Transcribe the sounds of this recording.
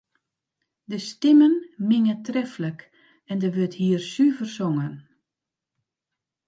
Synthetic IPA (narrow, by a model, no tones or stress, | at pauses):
dəstɪmənmɪŋətrɛflək | ɛndəʋøthiːərsyvərsoŋən